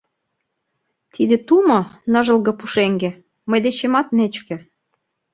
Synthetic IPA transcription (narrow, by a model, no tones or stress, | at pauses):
t̪ʰid̪ĕt̪umɤ̆nɤ̆ʒə̆lɣɤ̆puʃeŋɡĕ | məjd̪et͡ɕemɑt̪net͡ɕkĕ